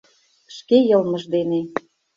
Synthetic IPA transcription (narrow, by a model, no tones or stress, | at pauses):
ʃkejɤlˠmə̆ʒd̪ene